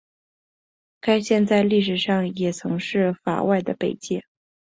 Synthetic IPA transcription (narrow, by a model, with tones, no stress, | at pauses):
ka˥ɪɕjɛ˥˧nt͡sa˥˧ɪli˥˩ʂ̬ɻ̩˨˩ʂɑ˥˩ŋjɛ˨˩t͡sʰɤ˧˥ŋʂɻ̩˥˩fa̰˨˩wʔa˥˩ɪd̪ə˩pe˨˩ɪt͡ɕjɛ˥˩